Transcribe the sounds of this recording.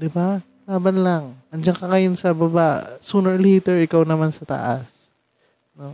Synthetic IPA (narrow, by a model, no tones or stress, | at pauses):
d̪ɪba | laːbɐnlaŋʔɐnd͡ʒaŋkɐŋɐjʊnsɐbɐbaʔsuːnɛɹlejt̪ɛɹɪkawnɐmansɐt̪ɐ̰ʔa̰s | no